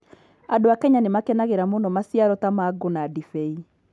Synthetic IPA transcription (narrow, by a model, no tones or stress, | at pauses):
adoakɛɲanemakɛnaɣeɾamonɔmasjaɾɔtamaɡonadifɛi